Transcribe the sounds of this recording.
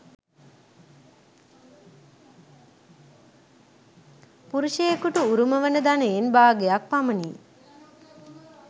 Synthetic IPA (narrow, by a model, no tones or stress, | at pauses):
puɾuʃeːkuʈuuɾuməʋənəd̪aneːnbaːɡejak̚paməni